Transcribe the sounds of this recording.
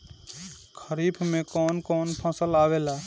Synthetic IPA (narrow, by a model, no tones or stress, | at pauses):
kʰəɾibʰmekɔːnkɔːnpʰə̃səlabela